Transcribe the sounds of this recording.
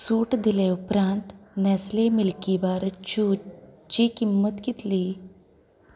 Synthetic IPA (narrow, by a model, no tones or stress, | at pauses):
suʈd̪ileupɾãnt̪nɛslemilkibaɾt͡ɕu | t͡ɕikimːət̪kit̪liː